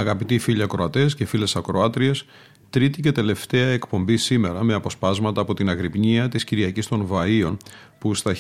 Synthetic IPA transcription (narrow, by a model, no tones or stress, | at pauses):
ɐɣɐpit̪ifiʎiɐkɾo̞ɐt̪e̞scefile̞sɐkɾo̞ɐt̪ɾies | t̪ɾit̪ice̞t̪e̞le̞ft̪e̞ɐe̞kpo̞mbisime̞ɾɐme̞ɐpo̞spɐzmɐt̪ɐːpo̞t̪inɐɣɾipɲiɐt̪isciɾiɐcist̪o̞nvɐio̞npust̪ɐ